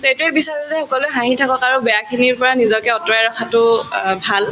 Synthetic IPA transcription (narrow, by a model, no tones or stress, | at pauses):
tejtʊɛbisaɹɔzɛxɔkɔlʊɛɦãɦitʰakɔkaɹubɛjakʰiniɹpɔɹanizɔkɛɔtɔɹajɹɔxʰatʊbʱal